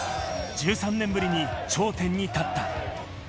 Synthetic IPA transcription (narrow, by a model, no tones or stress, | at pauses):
t͡ɕɯsʰamnembɯɾiɲit͡ɕoteɲːitat̚t͈a